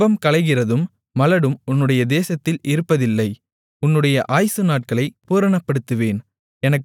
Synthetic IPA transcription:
ɐmkɐlɐɪɣɪrɐðɯmː | ɐlɐɽɯmʊnːɯɽɐjɐd̪eːsɐt̪ːɪlɪɾɯpːɐðɪlːɐɪ | ʊnːɯɽɐjɐʔaːjsɯnaːʈ̚kɐɭɐɪpuːɾɐɳɐpːɐɽɯt̪ːɯʋeːn | ɛnɐkː

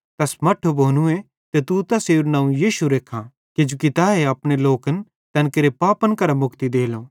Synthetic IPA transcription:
t̪ɐsmɐʈʰobʱoːnũẽ | t̪et̪ut̪ɐseːɾnãːũjiːʃuɾeːkʰã | ked͡ʒukɪt̪aːeɐpɽ̃eloːkən | t̪ɛnkeɾepaːpənkɐɾamʊkt̪id̪eːloː

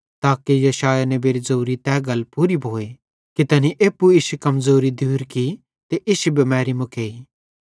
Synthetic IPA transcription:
t̪aːkijɐʃaːjanɛbeːɾizoːɾit̪ɛːɡɐlpuːɾibʱoːe | kit̪ɐniʔeːpːuiʃukɐmzoːɾid̪ʱuːɾki | t̪eʔɪʃubɐmɛːɾimʊkeːi

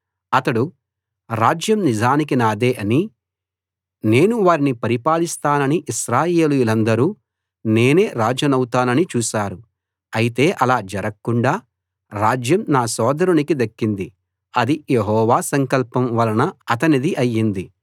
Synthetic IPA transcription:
ɐt̪ɐɽu | ɾaːd͡ʒjɐmnid͡ʒaːnik̬inaːd̪e̞ːʔɐni | ne̞ːnuʋaːɾinipɐɾipaːlist̪aːnɐniʔiʃɾaːje̞ːlujulɐnd̪ɐɾuː | ne̞ːne̞ːɾaːd͡ʒɐnɐwut̪aːnɐnit͡ʃuːʃaːɾu | ɐjit̪e̞ːʔɐlaːd͡ʒɐɾɐkːuɳɖaː | ɾaːd͡ʒjɐmnaːsɔːd̪ɐɾunikid̪ɐkːind̪i | ɐd̪ijeɦɔːʋaːsɐŋkɐlpɐmʋɐlɐnɐɐt̪ɐnid̪iʔɐjːind̪i

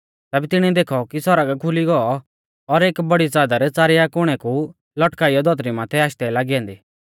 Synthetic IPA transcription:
t̪ɛːbɛt̪ɪɽ̃ĩd̪eːkʰɔkisɔɾaɡakʰʊliɡɔɔ | ɔɾeːkbɐɽit͡saːd̪aɾt͡saːɾɪjakʊɽ̃ɛku | lɔʈkaːijɔd̪ʱɔt̪ɾimãːt̪ʰɛaːʃt̪ɛlaːɡiãːnd̪iː

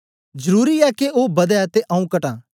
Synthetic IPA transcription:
d͡ʒɐɾuːɾiɛkeoːbɐd̪ɛt̪eʔɐ̃ːũkɐʈã̰ː

